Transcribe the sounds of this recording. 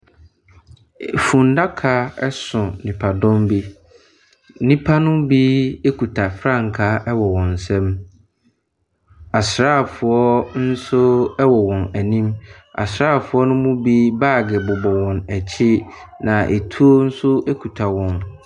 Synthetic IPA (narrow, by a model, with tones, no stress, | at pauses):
fũ˨nda˦kʰa˦ɛ˦sʊ̃˨nɪ̃˨pʰa˨dɔ̃˦mbi˦ | nĩ˦pʰa˦nʊ̃˦biː˦e˦kʰu˨tʰa˨fɾã˦˨ŋ̩˨kʰa˦ʔɛ˦wɔ˨wɔ̃˨n˨sɛ̃˦m | a˨sɾaː˦˨fʊ˨ɔ˦n̩˦sʊ˦ɛ˦wɔ˨wɔ̃˨næ˨nĩ˦ma̰˨sɾaː˦˨fʊ˨˦ɔ˦nʊ̃˦mʊ̃˦bi˦baː˦˨ɡɪ˨bʊ˨bɔ˨wɔ̃˨næ˨t͡ɕʰɪ˦ | nã˨ʔe˨tʰu˦o˦n̩˦sʊ˦ʔe˦kʰu˨tʰa˨wɔ̃˨n